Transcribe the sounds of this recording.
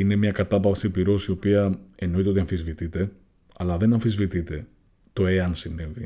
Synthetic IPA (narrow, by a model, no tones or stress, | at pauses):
ine̞mɲɐkɐt̪ɐpɐpsipiɾo̞sio̞piɐe̞no̞it̪e̞ot̪ɐɱfizvit̪it̪e̞ | ɐlɐðe̞nɐɱfizvit̪it̪e̞ | t̪o̞e̞ɐnsine̞vi